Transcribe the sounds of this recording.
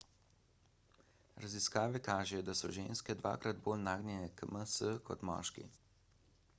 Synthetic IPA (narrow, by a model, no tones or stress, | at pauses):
ɾaziskaːʋɛkaːʒɛjɔd̪asɔ̰ʒeːnskɛd̪ʋa̰ːkɾad̪boːlnaːɡnʲjɛnɛkməsəkʰɔt̪mɔ̰ːʃkḭ